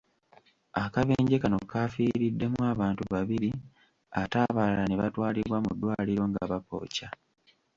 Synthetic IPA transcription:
akaβe̞ːɲɟe̞kano̞kːaːfiːɾidːe̞mwwaːβaːntuβaβiɾi | ataːβalaneβatwaːliβwamudːwaːliɾo̞ŋɡaβapo̞̰ːca

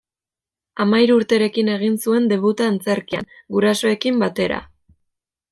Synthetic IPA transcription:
amajɾuɾt̪eɾe̞kine̞ɣ̞insue̞nd̪e̞β̞ut̪aːnt͡se̞ɾkia̰ŋɡuɾaso̞e̞kimbat̪e̞ɾa̰

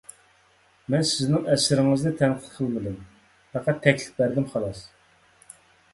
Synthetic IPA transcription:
mɛnsɪznɪŋɛsɪɾɪŋɨzd̪ɛt̪ʰɛnqʰə̥t̪qʰəlˠbɪlɪm | fʰæqæt̪ʰːɛkʲlɪ̥p̚bæɾd̪ɪmχɑlˠɑs

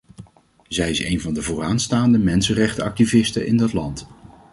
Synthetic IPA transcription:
zɛjɪsḛjnvɑndəvoːraːnstaːndəmɛnsənrɛχtəɑk̚tivɪstəʔɪ̰ndɑtlɑnt

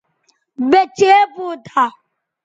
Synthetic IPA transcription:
bet͡ʃeebʊdʰa

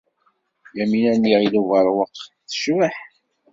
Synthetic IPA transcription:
jæminænːiʁiluvəɾˤwəqː | θə̥ʃwəħ

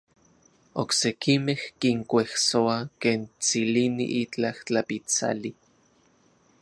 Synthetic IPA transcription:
oksekimehkiŋkʷehsoakeːnt͡silinḭʔit͡ɬaht͡ɬapit͡sa̰li

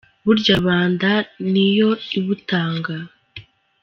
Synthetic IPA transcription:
βuɾɟaβaːndanijo̞iβutaːŋɡa

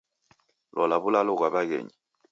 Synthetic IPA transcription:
lʔɔlaβulalɔkwaɓakḛɲi

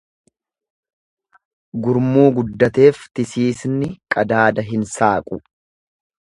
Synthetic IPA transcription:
ɡʊɾmuːɡʊd̪ːɐt̪e̞ːft̪ɪsiːsnɪkʼɐd̪aːd̪ɐɦɪnsaːkʼʊ

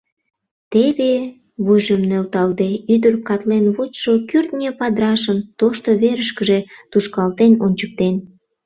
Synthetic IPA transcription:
t̪eβe | βujʒəmnølt̪ɑld̪eyd̪ərkɑt̪lenβot͡ɕʃokyrt̪nʲepɑd̪ɾɑʃənt̪oʃt̪oβeɾəʃkəʒe̽t̪uʃkɑlt̪enonʲt͡ɕək̚t̪en

